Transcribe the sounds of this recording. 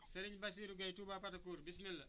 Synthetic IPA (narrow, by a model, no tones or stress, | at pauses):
sɐɾiɲbɐs̬iɾuɡɐjtubapɐtɐkuːɾbismilːɐ